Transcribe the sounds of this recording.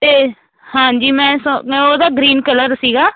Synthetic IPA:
t̪eː | hãːɲd͡ʒiːmɛ̃ːsoːd̪aːɡɾiːnkələɾsiːɡaː

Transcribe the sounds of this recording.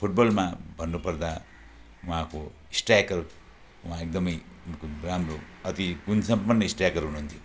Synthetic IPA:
pʰuʈ̚bolmabʱʌnːupʌɾd̪a | uɦãko | isʈakʌɾ | uɦãek̚d̪ʌmʌj | unkuɾamɾo | ʌt̪iɡunsʌmpʌnːʌisʈakʌɾɦunuɦunt̪ʰjo

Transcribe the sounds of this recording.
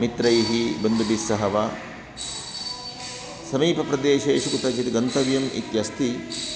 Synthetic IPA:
mit̪ɾɐjɦibɐnd̪ubisːɐɦɐʋɐ | sɐmiːpɐpɾɐd̪eːʃeːʃuɡut̪ɐt͡ʃit̪iɡɐnt̪ɐʋjɐmḭt̪jɐst̪ʰi

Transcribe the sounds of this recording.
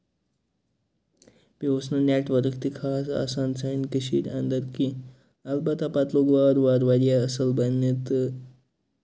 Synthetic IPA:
piʋosnəneʈʋəɾkt̪ikʰasa̰sant͡sʰankəɕiːɾand̪əɾki | albat̪apat̪loɡʋaɾʋaɾʋaɾijaəsəlbənət̪

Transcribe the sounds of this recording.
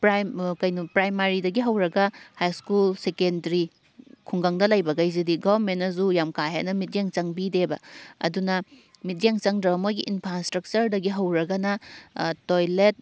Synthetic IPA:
pɾakɐjnupɾajmaɾidɐɡiɦɐwɾɐɡɐhajskulsekendɐɾi | kʰuŋɡaŋdɐlajbɐɡɐjzidiɡaβɾmentːɐzujamkajɦa̰jnɐmit̚jeŋt͡ʃɐŋbidebɐ̰ɐ̰dunɐ | mit̚jeŋt͡ʃɐŋdɾɐbɐmoɡiʔinpʰɾastɾɐk̚t͡ʃɐɾdɐɡiɦɐwɾɐɡɐnɐtojlet̚

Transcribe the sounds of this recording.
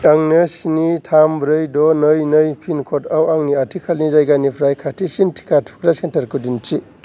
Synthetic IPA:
aŋnɯsinitʰambɾɯjdɔnɯjnɯjpʰinkʰɔtawaŋniatʰikʰalnizajɡanipʰɾajkʰatʰisintʰi̥katʰu̥kʰɾasentɐɾkudint͡ʃi

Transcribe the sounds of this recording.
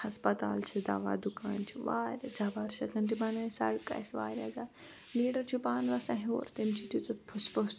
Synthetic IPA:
hɐspɐt̪aːlt͡ʃʰid̪a̰ʋa̰ːd̪ukaːnt͡ʃʰiʋaːɾʲad͡ʒaːbaːɾʃɐkʰɐnt̪ibɐnajsa̰ɽka̰jsʋa̰ːɾʲa̰zaː | liːɽɐɾt͡ʃʰupaːnʋɐsɐ̃ɦio̰ːɾt̪imt͡ʃʰit̪ut̪ɐpʰuspos

